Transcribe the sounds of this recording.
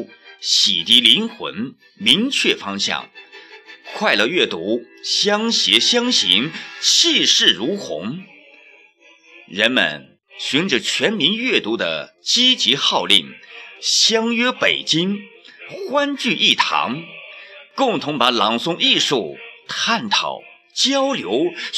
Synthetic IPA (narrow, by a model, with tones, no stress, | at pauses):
ɕi˨˩t̪i˧˥li˧˥nxwə̰˧˥n | mi˧˥ŋt͡ɕʰɥɛ˥˩fɑ˥ŋɕjɑ̰˥˩ŋ | kʰwa˥˧ɪlɤ˥˧ɥɛ˥˩t̪u˧˥ɕjɑ˥ŋɕjɛ˧˥ɕjɑ˥ŋɕi˧˥ŋt͡ɕʰi˥˧ʂɻ̩˥˩ɻu˧˥xʊ̰˧˥ŋ | ɻə˧˥nmə̰˨˩n | ɕy˧˥nʈ͡ʂ̩˨˩t͡ɕʰɥɛ˧˥nmi˧˥nɥɛ˥˩t̪u˧˥d̪ə̰˨ | t͡ɕi˥t͡ɕi˧˥xɑ˥˧ʊlḭ˥˩ŋɕjɑ˥ŋɥɛ˥pe˨˩ɪt͡ɕi˥ŋxwa˥nt͡ɕy˥˧ʔi˥˩t̪ʰɑ̰˧˥ŋ | kʊ˥˩ŋt̪ʰʊ˧˥ŋpa˧˥lɑ˨˩ŋsʊ˧˥ŋi˥˧ʂu˥˩t̪ʰa˥˩nt̪ʰɑ̰˨˩ʊ | t͡ɕjɑ˥ʊljo˧˥ʊ